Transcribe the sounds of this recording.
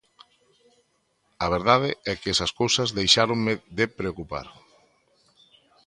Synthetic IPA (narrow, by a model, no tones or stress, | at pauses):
ɐβ̞eɾðað̞eɛkɛsɐskowsɐzðejʃaɾoŋmɪðepɾeokupa̰ɾ